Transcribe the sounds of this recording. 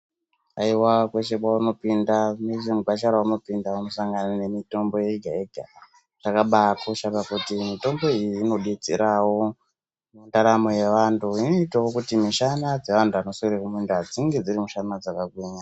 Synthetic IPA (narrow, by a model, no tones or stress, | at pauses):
aiwakwet͡ʃe̞kwauno̞pindameʐemuɡʱat͡ʃaɾauno̞pindaunosaŋɡanane̞mito̞mbo̞jeɡʱaiɡʱa | ʐ̥akaɓakoʃaβakutimito̞mbo̞ijiːno̞ɗit͡sḭɾawo̞ | mundaɾamo̞je̞ʋantʰuino̞itawokutimiʃanad͡ze̞ʋantʰuano̞sukiɾekumunduad͡ziŋɡe̞d͡ziɾimuʃanad͡zakaɡweːɲa